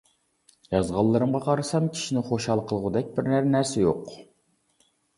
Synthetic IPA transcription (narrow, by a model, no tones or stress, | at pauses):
jɑzʁɑlˠːɨɾɨmʁɑqʰɑɾɨsɑmkʲʰi̥ʃinɪχoʃhɑlˠqʰəlˠʁʊd̪ɛk̚ʲbɪɾnæɾnæɾsɛjoq